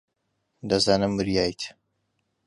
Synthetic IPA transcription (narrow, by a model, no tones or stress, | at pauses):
d̪ɐzaːnɨmːɨɾjaːjt̪ʰ